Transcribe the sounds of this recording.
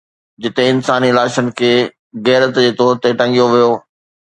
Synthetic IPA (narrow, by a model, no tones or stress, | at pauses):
d͡ʑɪt̪ẽɪnsaːniɪlaːʃənɪ̆kʰeː | ɣɛːɾət̪d͡ʑeːt̪ɔːɾt̪eʈɐ̃ŋɡijoʋijoː